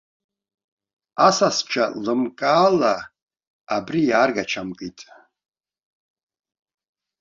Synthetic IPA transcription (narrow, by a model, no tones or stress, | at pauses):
asast͡ʃʰalɨmkʼaːla | abɾijaːrɡat͡ʃʰamkʼitʼ